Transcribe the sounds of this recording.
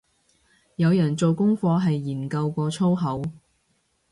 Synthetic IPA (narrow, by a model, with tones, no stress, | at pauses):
jɐ˨˧wjœː˨˩ŋt͡so˨wkʊ˥ŋfɔː˧ɦɐ˨jːiː˨˩nkɐ˧wkʷɔː˧t͡sʰo˥wɦɐ˨˥w